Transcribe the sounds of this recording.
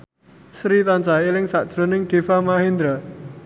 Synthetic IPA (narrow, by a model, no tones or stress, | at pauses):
sɾit̪ant͡ʃaelɪŋsa̰ʔd̥ʒ̥ɾo̤nɪŋɖ̪̥e̤famaɦind̪ɾa